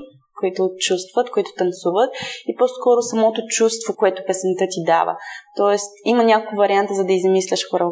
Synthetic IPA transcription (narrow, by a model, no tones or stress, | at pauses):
koit̪ʊt͡ʃust̪vət̪koit̪ʊ̥t̪ɐnsuvət̪̚iposkɔɾʊsɐmɔt̪ot͡ʃust̪vokoɛt̪ʊpɛsɛnt̪ət̪id̪a̰və̰t̪ɔɛst̪imɐnʲakokʊvɐɾiant̪əzɐd̪ɐizɐmislʲəʃxoɾə